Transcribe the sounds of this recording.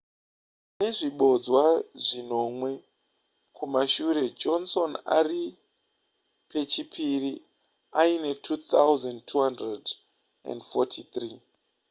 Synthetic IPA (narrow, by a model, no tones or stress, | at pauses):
ne̞ʐiɓo̞d͡zwaʐino̞mwe̞ | kʰumaʃuɾe̞d͡ʒonso̞na̰ri | pe̞t͡ʃipʰiri | aine̞tʰut̪auzandtʰuɦandred | a̰ndfotʰit̪riː